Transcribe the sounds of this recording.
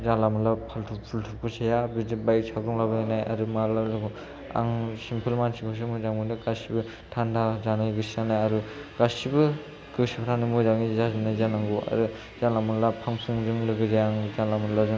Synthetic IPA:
zalamɯlapʰaltʰupʰultʰupʰɯsʰajabidibaj̚sʰaɡɾuŋlabɯnanaja̰ɾumaɾlalɯɡu | a̰ŋsimpʰɯlmansʰikʰos̬ɯmujzaŋundɯɡasibɯ | tʰandazanaɡɯsianajaɾuɡ̥asibɯ | ɡɯsipʰaɾʰanɯmuzaŋizazinajzanaŋɡua̰ɾu | zalamɯlapʰaŋpʰuŋzɯŋlɯɡɯzajaŋzanlamɯlazɯ

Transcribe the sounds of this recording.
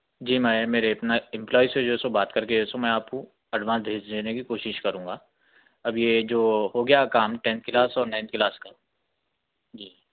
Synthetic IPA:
d͡ʒiːmɛ̃meːɾeɐpnaɪ̃mplɔːised͡ʒoɪsobaːt̪kɐɾkeosomɛ̃aːpko | ɐɖʋãːsd̪ʱeːd͡ʒd̪eːnekikoːʃɪʃkɐɾũːŋɡaː | ɐbjed͡ʒoːɦoɡɐjakaːmʈɛ̃ːnt̪̚kɪlaːsɔːɾnãːɪ̃nt̪̚ʰkɪlaːskaː | d͡ʒiː

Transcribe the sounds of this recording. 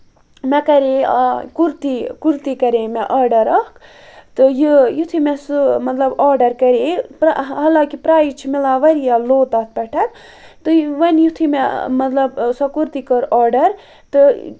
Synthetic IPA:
mɛkɐɾekuɾt̪ikuɾt̪ikɐɾemɛʔɐːɾɖɐɾɐhk | t̪ɨjijut̪ʰimɛsɨmɐt̪lɐbɔːɾɖɐɾkɐɾepɾ̰ɦɐlakipɾaːjit͡ʃʰimilaːʋɐɾijaloːt̪at̪̚ʰpɐʈʰɐt̪ | t̪ɨʋɐnjut̪ʰimɛmɐt̪lɐbsɐkuɾt̪ikɐɾɔːɾɖɐɾ | t̪ɨ

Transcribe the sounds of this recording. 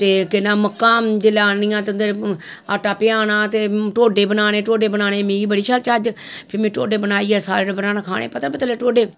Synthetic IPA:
t̪eːkɪnãːməkːãːd͡ʒelaːnɪijãːt̪ʊnd̪əɾ | a̰ːʈaːpɪaːnãːt̪eːʈoːɖeːbənaːɽeːʈoːɖeːbənaːneːmĩːɡiːbəɽiːʃʰaːlt͡ʃaːd͡ʒpʰɪɾmĩːʈo̰ːɖeːbənaːiːɛːsaːɾɽbənaːnãːkʰaːɽḛːpət̪aːpɪt̪leːʈoːɖeː

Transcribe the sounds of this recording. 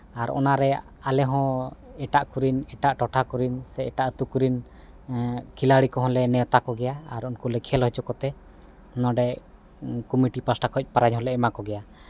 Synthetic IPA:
aɾɔ̰naɾɛ | alɛɦɔ̃ɛʈaʔkuɾinɛʈaʔʈɔʈʰakuɾinsɛɛʈaʔət̪ukuɾin | kʰilaɽikɔɦɔ̃lɛnɛɔt̪akɔɡɛjaaɾunkulɛkʰɛlɦɔt͡ʃɔkɔt̪ɛ | nɔ̃ɖɛ | kumiʈipasʈakʰɔc̚ˀpaɾaɲɦɔ̃lɛɛmakɔɡɛja

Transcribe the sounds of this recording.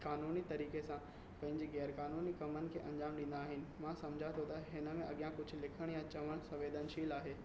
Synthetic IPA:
kaːnuːnit̪ɐɾiːkesã | pɐ̃ɦɪ̃ɲd͡ʑeɣɛːɾkaːnuːnikɐmənɪ̆kʰeːʔɐ̃ɲd͡ʑaːmɗɪ̃ːn̆d̪aːɦɪnɪ̆mãsɐmd͡ʑʱat̪ʰot̪aɦɪnə̆mẽʔɐɠjãkʊd͡ʑʱʊ̆lɪkʰəɽ̃jãt͡ɕɐʋəɽ̃sɐʋeːd̪ʱənʃiːlaːɦeː

